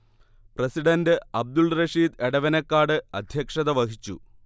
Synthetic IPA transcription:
prɐsiɽɐndɨɐb̚d̪ulrɐʂiːd̪eɽɐʋɐnɐkːaːɽɨɐd̪ʱjɐkʂɐðɐʋɐhit͡ɕːṵ

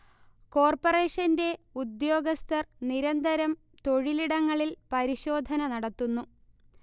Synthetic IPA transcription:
ko̞ːrpɐreːʂɐnde̞ud̪jo̞ːɡɐst̪ɐrniɾɐnd̪ɐɾɐm | t̪o̞ɻiliɽɐŋːɐɭilpɐɾiɕo̞ːd̪ʱɐnɐnɐɽɐt̪ːunːu

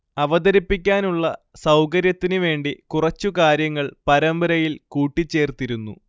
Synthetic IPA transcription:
ɐʋɐd̪ɐɾipːikʲːaːnuɭːɐ | sɐwkɐɾjɐt̪ːinuʋe̞ːɳɖikurɐt͡ɕːukaːɾjɐŋːɐɭpɐɾɐmbɐɾɐjilkuːʈːit͡ɕːe̞ːrt̪iɾunːṵ

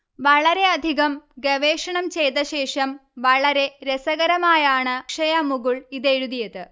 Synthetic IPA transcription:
ʋɐɭɐɾe̞ɐd̪ʱiɣɐmɡɐʋeːʂɐɳɐmt͡ɕe̞jt̪ɐɕe̞ːʂɐmʋɐɭɐɾe̞ɾesɐɣɐɾɐmaːjaːɳɨʂɐjɐmuɣuɭiðeɻuðijɐðɨ

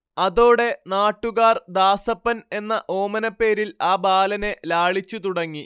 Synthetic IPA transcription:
ɐðo̞ːɽe̞naːʈːuɣaːrd̪aːsɐpːɐne̞nːɐʔo̞ːmɐnɐpːe̞ːɾilaːbaːlɐne̞laːɭit͡ɕːut̪uɽɐŋːi

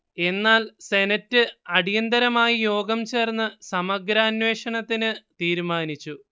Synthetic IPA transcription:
e̞nːaːlse̞nɐtːɨɐɽijɐnd̪ɐɾɐmaːjijo̞ːɡɐmt͡ɕe̞ːrnːɨsɐmɐɡɾɐːnwe̞ːʂɐɳɐt̪ːinɨt̪iːɾmaːnit͡ɕːu

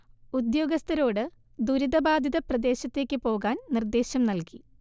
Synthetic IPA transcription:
ud̪jo̞ːɡɐst̪ɐɾo̞ːɽɨ | d̪uɾiðɐbaːd̪ʱiðɐprɐd̪e̞ːɕɐt̪ːe̞ːkʲːɨpo̞ːɣaːnnird̪e̞ːɕjɐmnɐlki

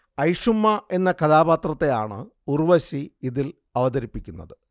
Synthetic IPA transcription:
ɐjʂumːɐe̞nːɐkɐðaːbaːt̪rɐt̪ːe̞jaːɳɨ̰ | urʋɐɕiiðil | ɐʋɐðɐɾipːikʲːunːɐ̰ðɨ

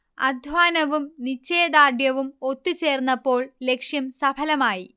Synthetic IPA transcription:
ɐ̰d̪ʱʋaːnɐʋumnit͡ɕːeːd̪aːɖjɐʋumot̪ːit͡ɕe̞ːrnːɐpːo̞ːɭle̞kʂjɐmsɐbʰʱɐlɐmaːji

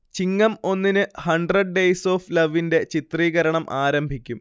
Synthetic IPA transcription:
t͡ɕiŋːɐmo̞nːinɨhɐɳɖrɐɖ̚ɖejso̞ːflɐʋːinde̞t͡ɕit̪riːɣɐɾɐɳɐmʔaːɾɐmbʱikʲːum

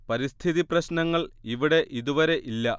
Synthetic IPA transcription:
pɐɾist̪ʰiðiprɐɕnɐŋːɐɭiʋiɽe̞ʔiðuʋɐɾe̞ʔilːɐ

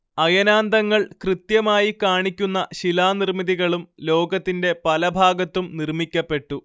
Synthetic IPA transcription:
ɐjɐnaːnd̪ɐŋːɐɭkrɨt̪jɐmaːjikaːɳikʲːunːɐɕilaːnirmiðiɣɐɭumlo̞ːɡɐt̪ːinde̞pɐlɐbʱaːɡɐt̪ːumnirmikʲːɐpːe̞ʈːu

